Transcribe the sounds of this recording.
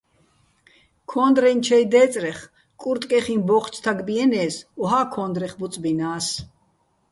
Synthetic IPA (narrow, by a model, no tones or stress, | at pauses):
kʰɔnd̪ɾɛnt͡ʃʰɛjd̪ɛːt͡sʼɾɛχ | kʼuɾt̪ʼkʼɛχinbɔχt͡sʰt̪ʰaɡbiɛnɛːsɔɦakʰɔnd̪ɾɛχbut͡sʼbinaːs